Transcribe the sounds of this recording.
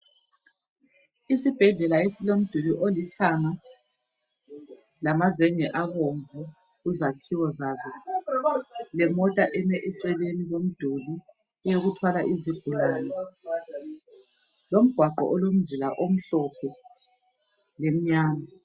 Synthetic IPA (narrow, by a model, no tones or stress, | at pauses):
isib̥ʱɛɮɛlaesilom̩d̥ʱuliʔolitʰaŋa | lamazɛɲɛʔaɣoɱvu | uzakʰiwɔzazɔ | lɛmɔtʼaʔɛmɛʔɛǀɛlenilom̩d̥ʱuli | ɛjoɣutʰwalaʔiziɡ̥̚ʱulaːnɛ | lom̩ɡ̥ʱwaǃɔ̰ʔɔlom̩zilaʔom̩ɬɔpʰɛ | lem̩ɲaːma